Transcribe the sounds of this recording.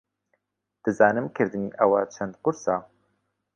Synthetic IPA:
d̪̥ɨzɑːnɨmkʰɨɾd̪ɨniːʔɐwat͡ʃʰɐnd̪̚qʊɾsɑː

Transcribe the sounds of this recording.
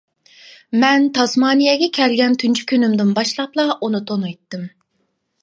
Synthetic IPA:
mɛnt̪ʰɑsmɑːnijɛɡʲɛkʲʰɛɾɡʲɛnt̪ʰynt͡ʃʰy̥kʲʰynymd̪ɪnbɑʃlˠɑplˠɑʔunɨt̪ʰonɑjt̪ːɨm

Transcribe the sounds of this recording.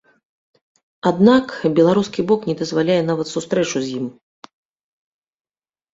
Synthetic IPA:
ad̪nakbʲɛlˠaɾuskʲibɔknʲɛd̪ɐzvalʲajɛn̪avɐt̪sust̪ɾɛt͡ʂuzʲjim

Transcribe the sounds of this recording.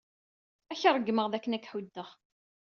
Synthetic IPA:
æçɾˤəɡːməʁðækːənækħud̪ːəʁ

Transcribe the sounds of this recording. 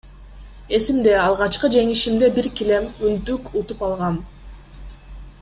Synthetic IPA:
e̞simd̪e̞ɑlˠʁɑt͡ʃqɯd͡ʒe̞ŋiʃimd̪e̞biɾkile̞mynt̪ykut̪upɑlˠʁɑn

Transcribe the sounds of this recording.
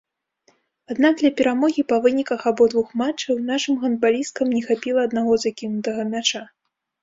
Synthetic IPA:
ad̪nak̚d̪lʲɐpʲɛɾamɔɣʲipɐvɨnʲikɐxabɔd̪vuxmat͡ʂːɐwnaʂɨmɣɐnd̪̚balʲist̪̚kɐmnʲɛxapʲilˠɐːd̪naɣɔzakʲinut̪ɐɣɐmʲat͡ʂa

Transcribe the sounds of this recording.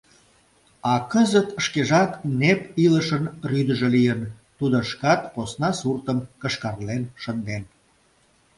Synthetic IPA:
ɑkəzət̪ʃkeʒɑknepiləʃənryd̪əʒelijən | t̪ud̪oʃkɑt̪posnɑsurt̪əmkəʃkɑrlenʃənd̪en

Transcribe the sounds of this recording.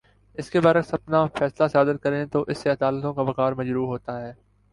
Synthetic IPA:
ɪskebɐɾəksɐpnafɛːslasaːd̪ɪd̪̚kɐɾẽt̪oʔɪsːeɐd̪aːlət̪õkabɐkaːɾmɐd͡ʒɾuːɦoːt̪aɦɛː

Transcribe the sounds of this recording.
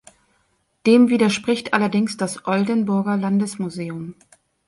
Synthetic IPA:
d̥eːmviːdɐʃpʁ̥ɪçtʔa̰lɐdɪŋsd̥asʔɔldənbʊɐɡɐlandəsmuzeːʊm

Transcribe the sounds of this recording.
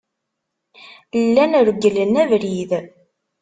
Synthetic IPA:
lːænəɾəɡːələnːævɾið

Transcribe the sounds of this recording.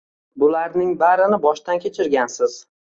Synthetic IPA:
bʊlaɾnɪŋbaɾɪnɪbɒʃt̪ankʲʰe̞t͡ʃʰɪɾɡʲansɪz̥

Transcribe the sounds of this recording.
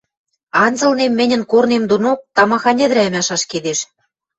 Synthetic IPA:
ɑnzɤ̆lnemːɘ̆nʲə̆nkornemd̪onok̚t̪ɑmɑxɑnʲĕd̪ɾæɘ̆mæʃɑʃked̪eʃ

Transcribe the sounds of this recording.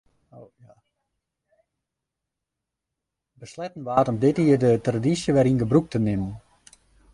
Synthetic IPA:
oja | bəslɛtn̩ʋaːtɔmdɪtiərdətradisjəʋɛɾinɡəbruk̚tənɪmən

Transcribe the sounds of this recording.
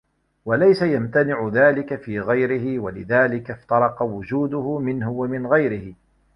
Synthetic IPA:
walajsajamt̪anɪʕʊðaːlɪkafiːɣajɾɪhɪwalɪðaːlɪkaft̪ɑɾˤɑqɑwʊd͡ʒuːd̪ʊhʊmɪnhʊwamɪnɣajɾɪhɪ

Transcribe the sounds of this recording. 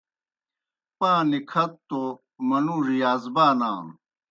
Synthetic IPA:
pãːnikʰɐt̪ːo | mɐnuːʐijaːzbaːnaːn

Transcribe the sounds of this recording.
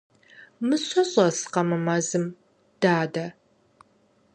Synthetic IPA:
mɨɕʷɐɕʼɐsqɐmɨmɐzɨm | d̥aːdɐ

